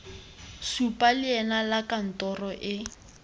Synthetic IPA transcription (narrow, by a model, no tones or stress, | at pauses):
supʼalɪɛnalakan̩tɔrɔʔɪ